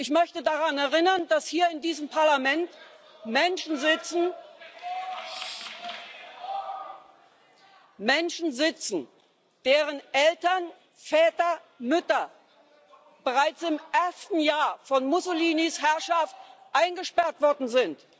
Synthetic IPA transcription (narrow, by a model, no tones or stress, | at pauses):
ʔɪçmœçtədaʁanɛɐʁɪnɐndashiːɐɪndiːzəmpʰaɐlamɛnt | mɛnʃn̩zɪt͡sn̩ | mɛnʃn̩zɪt͡sn̩ | d̥eːʁənʔɛltɐn | fɛːtɐ | mʏtɐ | b̥əʁaɪt͡sɪmʔɛɐstn̩jaːɐfɔnmʊsʊliːnishɛɐʃaft̚ʔaɪnɡəʃpɛɐtv̥ɔɐdn̩zɪnt